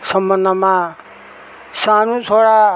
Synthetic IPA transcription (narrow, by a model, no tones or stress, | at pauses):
sʌmbʌnd̪ʱʌma | sanũt͡sʰoɽa